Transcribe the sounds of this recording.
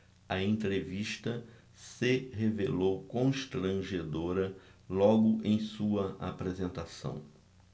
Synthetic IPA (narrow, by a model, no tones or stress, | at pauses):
ɐẽnt̪ɾeviʃt̪ɐ | sɪɦevelowkõʃt̪ɾɐ̃ʒed̪oɾɐlɔɡʊʔẽj̃suɐa̰pɾezẽnt̪asɐ̰̃w̃